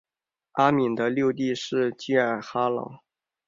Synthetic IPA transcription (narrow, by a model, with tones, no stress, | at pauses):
a˥mi˨˩nd̪ə˦ljo˥˧ʊt̪̬i˥˧ʂɻ̩˥˧t͡ɕi˥ə˨˩xa˥lɑ̰˨˩˦